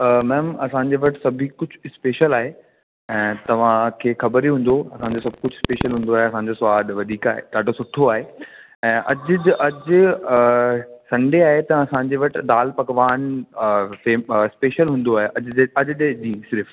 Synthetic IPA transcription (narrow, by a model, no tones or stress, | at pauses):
mɛ̃ːmɐsãɲd͡ʑeʋɐʈɪsɐbʱikʊd͡ʑʱspeːʃəlaːɦe | ɛ̃ːt̪ɐʋ̤ãkʰeːxɐbəɾiɦũːn̆d̪oɐsãːɲd͡ʑosɐb̚ʱkʊd͡ʑʱʊɪspeːʃəlɦũːn̆d̪oaːɦeɐsãɲd͡ʑosaːd̪ʋɐd̪ʱiːkaːɦḛt̪aːɖʱosʊʈʰoaːɦe | ɛ̃ːʔɐd͡ʑʔɐd͡ʑ | sɐ̃ɳɖʱeaːɦet̪ɐɐsãɲd͡ʑeʋɐʈɪ̆d̪aːlpɐkʋaːn | feɪspeːʃəlɦũːn̆d̪oaːɦeʔɐd͡ʑeɐd͡ʑɗed͡ʑĩːsɪɾɪf